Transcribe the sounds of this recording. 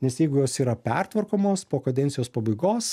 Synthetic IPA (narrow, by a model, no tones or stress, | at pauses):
nʲɛsjɛɪɡʊjoːsiːɾɐpʲɛrt̪ʋɐɾkoːmoːspoːkɐd̪ʲɛnt̪ʲɪjoːspɐbɐɪɡoːs